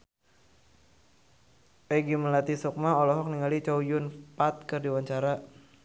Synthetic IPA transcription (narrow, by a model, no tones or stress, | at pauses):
pɛɡiməlat̪isɔk̚maɔlɔɦɔk̚niŋalit͡ʃaujʊnpat̪̚kərdiwaɲt͡ʃaɾa